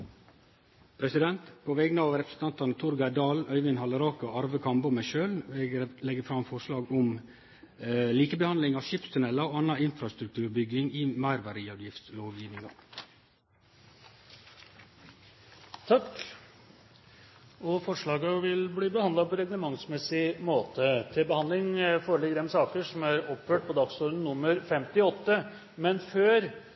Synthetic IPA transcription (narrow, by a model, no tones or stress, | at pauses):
pʰɾɛsɪd̪ɛnt̪pʰoːʋɛɡnəɑʋɾɛpʰɾəsn̩t̪ɑnt̪ɑnət̪ʰʊɾɡɑɪd̪ɑːlœʏʋɪnhɑləɾoːkəʔɑɾʋəkʰɑmbʊmæɪʃøːlɛːɡlɛɡəfɾɑmfɔʂlɑːɡʊm | liːkəbəhɑnd̪lɪŋɑːʋʃɪpst̪ʉnɛlːɑoːɑnɑɪnfɾɑst̪ɾʉk̚t̪ʰʉːɾbʏɡɪŋiːmæɪɾʋɑɾiːɑd̪jɪft̪sloːʋjiːʋnɪŋɑ̰ | t̪ʰɑk | ɔfɔʂɭɑːɡɑʋɪlbliːbəhɑnd̪ɑpʰɔɾɛɡləmɑŋsmɛsɪmoːt̪ʰət̪ʰɪlbəhɑnd̪lɪŋfoːɾəɭɪɡːəd̪ɛnsɑːkəʂɔmæɾɔpføːʈ̚pʰɔd̪ɑksɔɾn̩nʊmːəɾfɛmt̪ɪɔt̪ːə | mɛnføːɾ